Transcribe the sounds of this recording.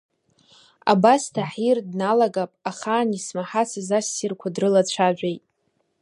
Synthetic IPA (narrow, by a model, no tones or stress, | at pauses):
a̰bastʰaħirdnalaɡapʼaχaːnismaħasʰɨzasːirkʷʰadrɨlat͡ɕʷʰaʒʷᶣejtʼ